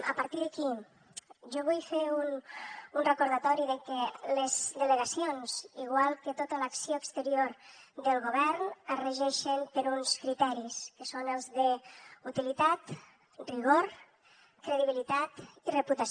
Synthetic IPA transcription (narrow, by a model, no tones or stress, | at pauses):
ə̰paɾt̪iðəki | ʒɔβujfeɾununrəkoɾðat̪ɔɾiðəkələzd̪ələɣasionz̥iɣ̞walˠkət̪ot̪ələksioəkst̪əɾioɾd̪əlˠɣoβ̞ɛɾnərəʒɛʃəmpəɾunskɾit̪ɛɾiskəsonəlˠzðəut̪ilit̪at̪ | riɣ̞oɾ | kɾəðiβilit̪at̪irəput̪as